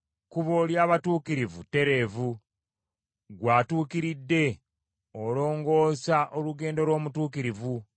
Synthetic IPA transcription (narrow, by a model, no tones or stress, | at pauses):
kuβoljaːβatuːkiɾivute̞ɾe̞ːvu | ɡwaːtuːkiɾidːe̞ | olo̞ːŋɡo̞ːsaʔoluɡe̞ːndo̞lwo̞ːmutuːkiɾivu